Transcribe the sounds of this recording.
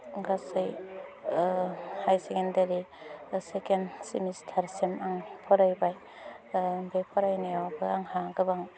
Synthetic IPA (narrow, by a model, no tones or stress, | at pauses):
ɡasɯj | hajsekendeɾi | sekensimistʰaɾsemaŋpʰɔɾajbaj | bepʰɔɾajnejawbɯaŋhaɡɯbaŋ